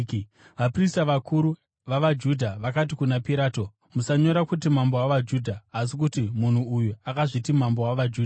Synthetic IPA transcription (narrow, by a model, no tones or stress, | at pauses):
ʋapristaʋakuɾu | ʋaʋad͡ʒudʱaʋakat̬ikunapiɾaːto̞ | musaɲo̞ɾakutimambowaʋad͡ʒudʱaːs̬ikutimun̤uujuakaʐitimambowaʋad͡ʒuːda